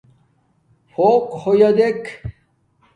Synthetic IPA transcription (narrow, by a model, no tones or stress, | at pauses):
foːqhojɐd̪ekʰ